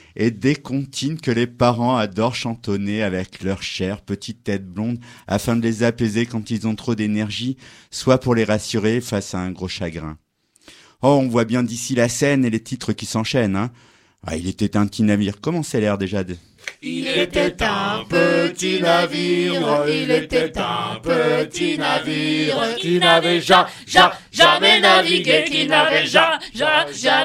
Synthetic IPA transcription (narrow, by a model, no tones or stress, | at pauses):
ed̪ekɔ̃t̪ʰinkəlepaʁɑ̃ad̪ɔʁʃɑ̃t̪ɔneavɛklœʁʃɛʁpət̪ʰit̪ːɛt̪̚blɔ̃d̪a̰fɛ̃d̪əlezapezekɑ̃t̪ilzɔ̃t̪χod̪enɛʁʒiswapuʁleʁasyʁefasaɛ̃ɡʁoʃaɡʁɛ̰̃ | ɔɔ̃vwabjɛ̃d̪isilasɛnelet̪ʰit̪χəkʲisɑ̃ʃɛnɛ̃ | a̰ḭlet̪ɛt̪ɛ̃pt̪inaviʁkɔmɑ̃sɛlɛʁd̪eʒad̪ə | iet̪ɛt̪ɛ̃pət̪inaviʁilet̪ɛt̪pət̪inaviʁt̪inavɛʒa | ʒa | ʒaɛnavikinavɛʒaʒ